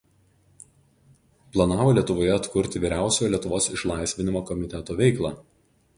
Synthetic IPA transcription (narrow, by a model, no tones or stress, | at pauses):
plˠɐnɑːʋoːlʲiɛt̪ʊʋoːjɛɐt̪kʊɾʲt̪ʲɪʋʲiːɾʲæˑʊsʲoːjɔlʲiɛt̪ʊʋoːsɪʃlˠɑˑɪsʲʋʲɪnʲɪmoːkɔmʲɪt̪ʲɛt̪oːʋʲɛɪklˠɑː